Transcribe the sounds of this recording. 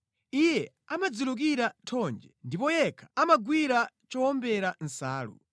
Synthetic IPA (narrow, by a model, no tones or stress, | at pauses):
ijɛ | amad͡zuluk̬iɾatʰɔnd͡ʒɛndipɔjɛkʰḁamaɡwiɾa | t͡ʃɔɔmbɛɾan̩saːlṵ